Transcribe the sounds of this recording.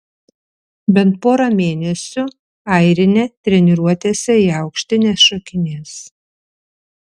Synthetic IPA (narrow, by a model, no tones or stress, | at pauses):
bʲɛnt̪̚poːɾɐmʲeːnʲɛsʲʊ | ɐɪɾʲɪnʲeːt̪ʲɾʲɛnʲɪɾuɔt̪ʲeːsʲɛiːɐʊkʃʲt̪ʲɪnʲeːsʃokʲɪnʲeːs